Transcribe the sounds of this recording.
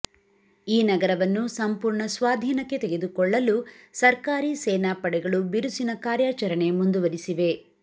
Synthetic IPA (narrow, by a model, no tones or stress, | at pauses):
iːnɐɡɐɾɐʋɐnːusɐmpuːɾɳɐsʋaːd̪ʱiːnɐkːe̞t̪eɡe̞d̪ukɔɭːɐlusɐɾkaːɾisɛːnaːpɐɽɛɡɐɭubiɾusinɐkaːɾjaːt͡ʃɐɾɐɳe̞mund̪uʋɐɾisiʋe̞